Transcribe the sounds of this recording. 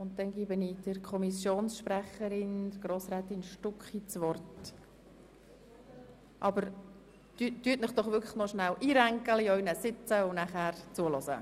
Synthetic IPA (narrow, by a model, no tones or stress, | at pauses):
ʊnt̚d̥ɛnɡiːbənid̥əɾkʰɔmisjoːnsʃpræχəɾɪnd̥̪ɡ̥roːsɾɛːt̪ɪnʃtʊkχit͡sʋɔrt | ʔɑbəɾ | tytːyətmɪχd̥ɔχʋʏɾkʰlə̥nɔʃnæwʔiːɾæŋkəliœʏnəsɪt͡səʊnæχæːɾt͡suəlɔsə̰